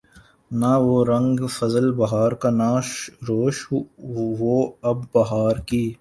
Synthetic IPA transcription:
naʋoɾɐ̃ŋɡfɐzəlbɐɦaːɾkanaːʃɾoːʃ | ʋoɐbːɐɦaːɾkiː

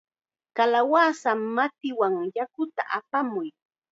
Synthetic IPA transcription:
kalawasamːat̪ɪwaŋjakʊt̪a̰ʔapamʊj

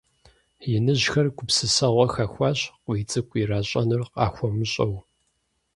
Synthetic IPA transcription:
jɪnɨʑxɐrkʷʊpsɨsɐʁʷɔxɐxʷɑːɕqʷiːt͡sʼɨkʷʼiraːɕʼɐnɨrqɑ̰ːxʷɔmɨɕʼɐw

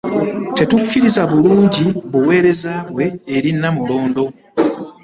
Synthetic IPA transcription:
te̞tukʰːiɾizaβuluːɲɟiβuwe̞ːɾe̞zaːβwe̞ːɾinːamulo̞ːndo̞

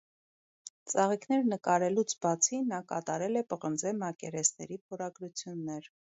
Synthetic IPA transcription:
t͡sɑʁikʰn̪ɛɾnəkɑɾɛlut͡sʰbɑt͡sʰinɑkɑt̪ɑɾɛlɛpəʁənd͡zɛmɑkɛɾɛsnɛ̰ɾipʰɔɾɑɡɾut͡sʰjunːɛɾ

